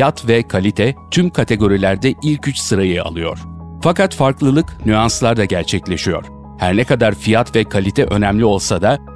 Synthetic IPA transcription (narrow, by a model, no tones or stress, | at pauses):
jat̪vɛkʰalʲit̪ʰɛt̪ʰymkʰat̪ʰe̞ɡo̞ɾilʲæɾd̪ɛilʲcyt͡ʃsɯɾajɯa̰lˠɯjo̞̰ɾ̥ | fakat̪faɾklˠɯlˠɯknyanslˠaɾd̪aɟæɾt͡ʃʰɛclʲe̞ʃijo̞̰ɾ̥ | hæɾnɛkad̪aɾfijat̪vɛkʰalʲit̪ʰɛʔø̞nɛmlʲio̞lˠsad̪a